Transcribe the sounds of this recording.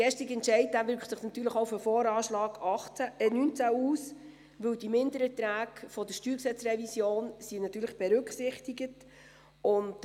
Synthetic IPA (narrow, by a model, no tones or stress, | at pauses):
ɡ̥ɛʃtɪkɛntt͡ʃɛɪt̚d̥æʋʏɾkχtsɪχnɑt̪yːləχoʊfəfɔːɾɑːʃlɑːɡ̥ɑχt͡sæɛnynt͡sæuːs | ʋɵwdimɪndəɾɛtɾæːɡfɔdəʃtyːɾksɛt͡srɛvisjoːnsinɑt̪ːyːɾləχb̥ɛɾɵkχsɪχtɪɡət | ʊnd